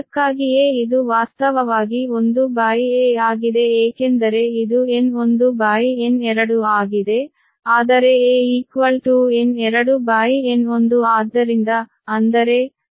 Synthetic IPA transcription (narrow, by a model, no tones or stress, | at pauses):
kːaːɡijeːid̪uʋaːst̪ɐʋɐʋaːɡio̞nd̪ubaːjieːaːɡid̪e̞eːkend̪ɐɾe̞id̪ueno̞nd̪ubaːjienɛɾɐɽuaːɡid̪e̞ | aːd̪ɐɾe̞eːiːkʋɐlʈuːenɛɾɐɽubaːjieno̞nd̪uaːd̪ʱːɐɾind̪ɐː | nd̪ɐɾe̞